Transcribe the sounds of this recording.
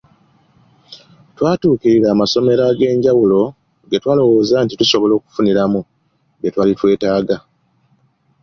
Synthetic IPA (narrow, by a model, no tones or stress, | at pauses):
twaːtuːkiɾiɾaːmaso̞me̞ɾaɡe̞ːɲɟawulo̞ | ŋɡetwaːlo̞wo̞ːzantituso̞βo̞lo̞ːku̥funiɾamu | ŋɡetwaːlitwe̞ːtaːɡa